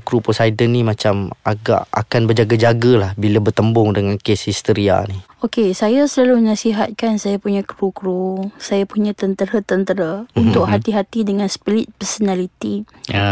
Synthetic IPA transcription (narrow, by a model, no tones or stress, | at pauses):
kɾuposajdənimat͡ʃamaɡa̰ʔa̰kanbərd͡ʒaɡad͡ʒaɡəlahbiləbərt̪əmbʊŋdəŋankeshist̪əɾia̰ni | okesajasəlalunasiɦat̪̚kansajapuɲakɾukɾusajapuɲãt̪ənt̪əɾat̪ənt̪əɾaunt̪ʊkɦat̪iɦat̪idəŋanspilɪt̪̚pərsonalit̪i | a